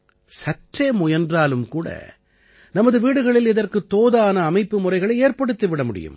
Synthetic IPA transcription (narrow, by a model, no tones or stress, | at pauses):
sɐʈreːmʊjɐndraːlɯmkuːɽɐ̰ | nɐmɐðɯʋiːɽɯɣɐɭɪlɪðɐrkɯt̪ːoːðaːnɐːmɐɪpːɯmʊrɐɪɣɐɭɐɪeːrpɐɽɯt̪ːɯʋɪɽɐmʊɽɪ̰jɯ̰m